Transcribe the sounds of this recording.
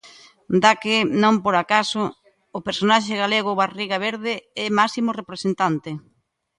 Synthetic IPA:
d̪akɪnõmpoɾakasʊː | peɾsonaʃeɣaleɣ̞ʊβariɣaβ̞eɾðɪɛmasimʊrepɾesent̪ant̪ɪ

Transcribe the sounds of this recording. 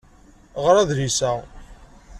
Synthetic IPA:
ʁəɾæðɾisæ

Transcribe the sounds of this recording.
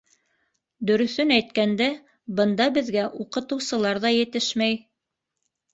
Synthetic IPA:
d̪ɵ̆ɾɵ̆θɵnæjt̪kænd̪æ | bɤ̆nd̪ɑbɘ̆ðɡæʔuqɤ̆t̪ɤ̆wsɤ̆lˠɑɾðɑjɘ̆t̪ɘʃmæj

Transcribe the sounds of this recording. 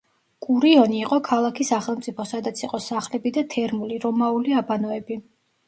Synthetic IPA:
kʼuɾiɔniːqʼɔkʰalˠakʰisaχɛlˠmt̪sʼipʰɔsad̪at̪sʰiqʼɔsaχlɛbid̪at̪ʰɛɾmuliɾɔmauliabanɔɛbi

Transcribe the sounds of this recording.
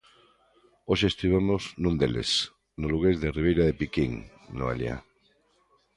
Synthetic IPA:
oʃest̪iβ̞emoznũnd̪elḛs | noluɣezðeriβ̞ejɾaðepikiŋ | no̰a̰lja̰

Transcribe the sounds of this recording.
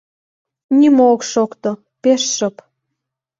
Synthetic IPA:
nimookʃokt̪o | peʃʃə̆p

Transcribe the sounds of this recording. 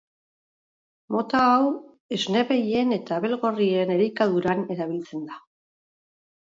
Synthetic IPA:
mo̞t̪aːw | ezne̞βeje̞ne̞t̪aːβe̞lɣo̞rie̞ne̞ɾikaðuɾane̞ɾaβ̞ilt͡se̞nd̪a

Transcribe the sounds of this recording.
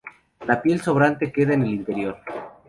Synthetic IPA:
lapje̞lso̞β̞ɾant̪e̞ke̞ðaene̞lint̪e̞ɾjo̞ɾ

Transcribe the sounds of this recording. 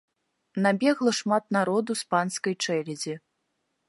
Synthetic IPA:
nabʲɛɣlˠɐʂmat̪̚naɾɔd̪uspanskɐjt͡ʂɛlʲɛd͡zʲi

